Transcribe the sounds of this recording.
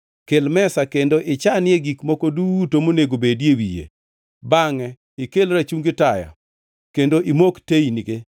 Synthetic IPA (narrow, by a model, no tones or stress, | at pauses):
kelmɛsakendoʔɪt͡ʃanɪeɡikmɔkodutomoneɡobedjewijḛ | baŋɛ | ɪkelɾat͡ʃuŋɡɪtaja̰ | kendoʔimoktejiniɡe